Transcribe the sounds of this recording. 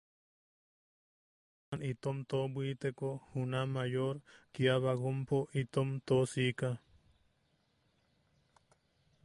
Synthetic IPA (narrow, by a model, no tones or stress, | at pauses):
anit̪omt̪obwit̪ekohunamajoɾkiaβaɣompoʔit̪omt̪osika